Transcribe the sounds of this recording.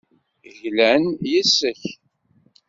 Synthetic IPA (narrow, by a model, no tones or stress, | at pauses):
ʝlænjisːəç